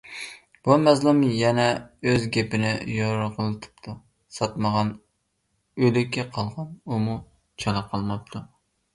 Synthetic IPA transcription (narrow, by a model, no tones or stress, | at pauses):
b̥umɛzlˠumjɛnɛøzɡʲepɪnɪjoɾʁəlˠɨt̪ʰɨ̥pt̪ʰu | sɑt̪məʁɑn | ølɪkʲʰːɛqʰɑlˠʁɑnumu | t͡ʃʰɑɾˠɑqʰɑlˠmɑp̚t̪ʰu